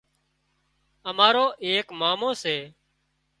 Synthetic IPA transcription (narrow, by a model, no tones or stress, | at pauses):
əmaːɾoːʔeːkmaːmõːseː